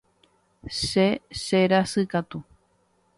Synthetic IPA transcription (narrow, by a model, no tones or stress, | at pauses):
ʃeʃeɾasɨkat̪u